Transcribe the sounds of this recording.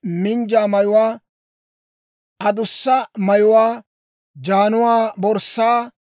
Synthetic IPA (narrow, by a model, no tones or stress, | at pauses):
mɪnd͡ʒaːmɐjʊwaː | ʔɐd̪ʊsːɐmɐjʊwaː | d͡ʒaːnʊwaːbɔɾsaː